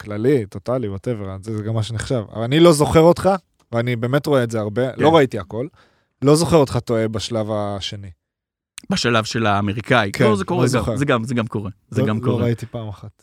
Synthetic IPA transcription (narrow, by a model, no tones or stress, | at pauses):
klalit̪o̞taliboteveʁazezeɡamːaʃ̬eniχʃava̰anilo̞zo̞χe̞ʁotχa | veanibe̞ːme̞tʁoeːzeaʁbe̞lo̞ʁaitiako̞l | lo̞zo̞χe̞ʁot̪χato̞e̞baʃlavaʃe̞ni | baʃalavʃelaːmeʁikaikʰeozekoʁezoχezeɡamzeɡamkoʁe | zeɡamkooait̪ipaːmaχat